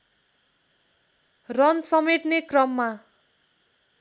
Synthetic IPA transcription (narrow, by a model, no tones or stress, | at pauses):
rʌnsʌmeʈnekrʌmːa